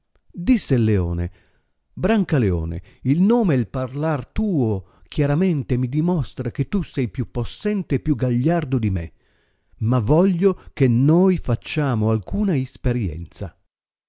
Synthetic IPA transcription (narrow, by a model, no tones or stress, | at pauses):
d̪isːelːeɔ̰ːnḛ | bɾaŋkaleɔ̰ːnḛilnoːmeelparlart̪uːokʰjaɾament̪emid̪imɔst̪ɾaket̪ːusɛjpjupːosːɛnt̪eːpːjuɡaʎːard̪od̪imḛ | mavɔʎːokenojfat͡ʃːaːmoalkuːnaispeɾjɛ̰nt̪sa